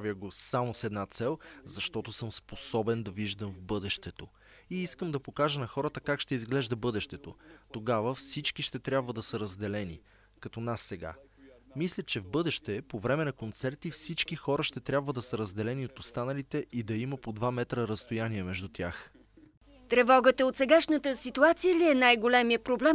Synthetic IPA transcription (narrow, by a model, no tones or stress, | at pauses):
vjəɡosamosɛd̪nat̪sɛlˠzɐʃt̪ɔt̪osɤmsposɔbɛnd̪ɐviʒd̪əmvbɤd̪ɛʃt̪ɛt̪o | iiskəmd̪ɐpokaʒənɐxɔɾət̪əkakʃt̪ɛizɡlɛʒd̪əbɤd̪ɛʃt̪ɛt̪ot̪oɡavəfsit͡ʃkiʃt̪ɛt̪ɾʲjabvəd̪ɐsəɾɐzd̪ɛlɛnḭ | kɐt̪ɔnasːɛɡa̰ | mislʲət͡ʃɛvbɤd̪ɛʃt̪ɛpovɾɛmɛnɐkont̪sɛɾt̪ifsit͡ʃkixɔɾəʃt̪ɛt̪ɾʲjabvəd̪ɐsəɾɐzd̪ɛlɛniot̪ost̪anəlit̪ɛid̪ɐiməpod̪vamɛt̪ɾəɾɐst̪ojaniɛmɛʒd̪ut̪ʲja̰x | t̪ɾɛvɔɡət̪əot̪sɛɡaʃnət̪əsit̪uat̪sijəliɛnajɡolʲɛmiəpɾoblɛm